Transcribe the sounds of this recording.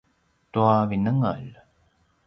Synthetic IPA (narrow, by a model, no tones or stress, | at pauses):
t̪uavinəŋə̰l